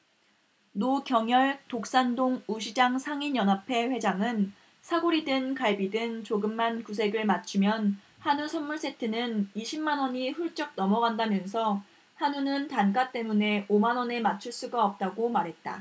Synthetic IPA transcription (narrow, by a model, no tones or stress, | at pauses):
nokjʌŋjʌɭtok̚s͈andoŋuɕʰid͡ʑaŋsʰaŋinjʌnɦapʰe̞ɸwe̞d͡ʑaŋɯn | sʰaɡoɾidɯnkaɭbidɯnt͡ɕoɡɯmːankus̬ʰe̞ɡɯɭmat͡ɕʰɯmjʌn | hanusʰʌnmuɭs͈e̞tʰɯnɯniɕʰimːanwʌɲiɸuɭt͡ɕ͈ʌk̚nʌmʌɡandamjʌnsʰʌ | hanunɯntank͈at͈e̞mune̞ʔomanwʌne̞mat͡ɕʰuɭs͈uɡaʌp̚t͈aɡomaɾɦe̞t̚t͈a̰